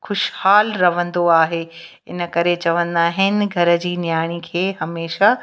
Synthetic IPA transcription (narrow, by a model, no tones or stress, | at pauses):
xʊʃhaːlɾɐʋə̃nd̪oaːɦe | ɪnə̆kɐɾet͡ɕɐʋə̃nd̪aːɦɪnɪ̆ɡʱɐɾə̆d͡ʑiːnjaːɽ̃ikʰeːɦɐmeːʃa